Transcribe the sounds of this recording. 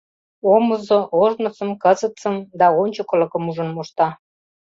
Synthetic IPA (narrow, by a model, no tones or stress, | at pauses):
oməzoʔoʒnŏsə̆mkəzət͡səmd̪ɑonʲt͡ɕokə̆lɤ̆kə̆muʒə̆nmoʃt̪ɑ